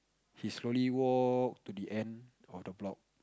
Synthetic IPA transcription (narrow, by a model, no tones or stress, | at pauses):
hisloliwɔk̚tudiʔɛ̃n | ɔfdəblɔk̚